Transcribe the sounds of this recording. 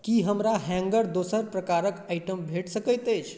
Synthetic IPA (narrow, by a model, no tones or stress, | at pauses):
kiɦəmɾaɦɛ̃ŋɡəɾd̪osəɾpɾəkaɾəkaɪʈəmbʱeʈsəkəjt̪əjt͡ʃʰ